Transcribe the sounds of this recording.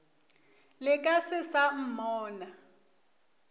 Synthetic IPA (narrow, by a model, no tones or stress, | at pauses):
lɪkʼasɪsam̩mɔːna